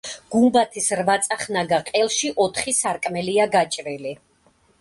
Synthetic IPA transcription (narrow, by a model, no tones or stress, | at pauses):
ɡ̥umbat̪ʰisɾvat̪sʼaχnaɡaqʼɛlˠʃiʔɔt̪ʰχisaɾkʼmɛliaɡat͡ʃʼɾili